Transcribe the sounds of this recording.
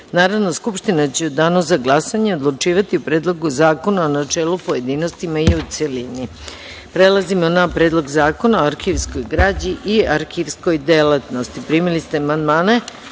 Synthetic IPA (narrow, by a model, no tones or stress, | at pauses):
naːɾaʋno̞skupʃt̪inat͡ɕeod̪aːnosaɡlˠasaɲeod̪lˠut͡ʃiːʋat̪iupɾe̞ːd̪lˠo̞ɡuzaːko̞naonat͡ʃe̞ːlupo̞je̞d̪iːno̞st̪imaiut̪seliːni | pɾe̞lˠazimo̞napɾeːd̪lˠo̞ɡzaːko̞naoaɾxiʋsko̞jɡɾaːd͡ʑiʔiaɾxiʋsko̞jd̪elˠat̪no̞st̪ipɾiːmilist̪eamand̪maːne